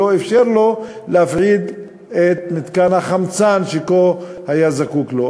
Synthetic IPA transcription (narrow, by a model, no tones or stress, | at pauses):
oefʃeʁlo̞leafʕid̪ | et̪̚mit̪kanhaχamt͡sanʃekohajazakuklo